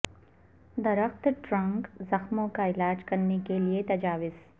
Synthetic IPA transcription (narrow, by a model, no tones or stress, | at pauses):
d̪ɐɾəxt̪ʈɾɐ̃ŋkzɐxmõkaɪlaːd͡ʒkɐɾnekeliet̪ɐd͡ʒaːʋɪz̥